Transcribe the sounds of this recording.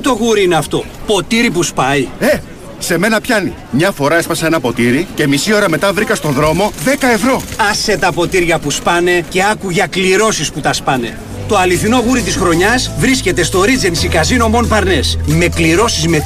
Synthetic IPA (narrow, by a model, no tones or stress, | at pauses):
t̪o̞ɣuɾiineɐft̪o̞po̞t̪iɾipuspɐie | se̞me̞nɐpçɐnḭ | mɲɐfo̞ɾɐespɐsɐenɐpo̞t̪iɾice̞misio̞ɾɐme̞t̪ɐvɾikɐst̪o̞ðɾo̞mo̞ðe̞kɐe̞vɾo̞ɐset̪ɐpo̞t̪iɾʝɐpuspɐne̞ce̞ɐkuʝɐkliɾo̞sisput̪ɐspɐne̞̰ | t̪o̞ɐliθino̞ɣuɾit̪isxɾo̞ɲɐzvɾisce̞t̪e̞st̪o̞ɾid͡zensikɐzino̞mo̞npɐɾne̞sme̞kliɾo̞sizme